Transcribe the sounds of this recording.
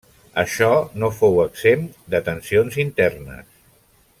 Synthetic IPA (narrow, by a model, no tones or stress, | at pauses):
əʃɔnofowəɡz̥emd̪ət̪ənsionzint̪ɛrnə̰s